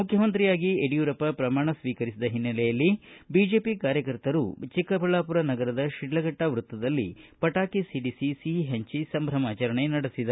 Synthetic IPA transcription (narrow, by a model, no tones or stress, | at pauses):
mukʰjɐmɐnt̪ɾijaːɡieɽijuːɾɐpːɐpɾɐmaːɳɐsʋiːkɐɾisid̪ɐɦinːɐlɛjɐlːibiːd͡ʒe̞ːpikaːɾjɐkɐɾt̪ɐɾṵt͡ʃikɐpɐɭaːpuɾɐnɐɡɐɾɐd̪ɐʃiɖːɐɡɐʈːɐʋɾut̪ːɐd̪ɐlːḭpɐʈaːkisiɖisisiɦeɲt͡ʃisɐmbʱɾɐmaːt͡ʃɐɾɐɳenɐɽisid̪ɐ